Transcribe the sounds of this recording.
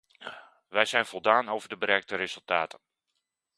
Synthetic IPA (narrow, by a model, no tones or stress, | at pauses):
ʋɛjzɛjnvɔlˠdaːnowvəɹdəbəɾɛk̚təɾɪzɵlˠtaːtən